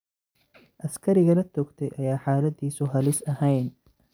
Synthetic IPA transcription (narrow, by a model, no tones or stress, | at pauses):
ʔɐskʰɐɾɪɣɐlɐt̪ʰɔːɡt̪ʰɛjʔɐjaːħaːlɐd̪iːsʊɦɐlɪsɐhɛjn